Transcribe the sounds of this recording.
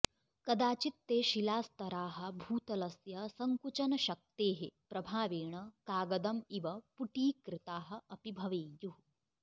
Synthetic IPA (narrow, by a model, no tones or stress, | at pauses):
kɐd̪aːt͡ʃit̪ːeːʃilaːst̪ɐɾaːɦɐ̆bʱuːt̪ɐlɐsjɐsɐŋkut͡ʃɐnɐʃɐk̚t̪eːɦepɾɐbʱaːʋeːɳɐkaːɡɐd̪ɐmiʋɐpuʈiːkɾɪt̪aːɦɐ̆ɐpibʱɐʋeːjuu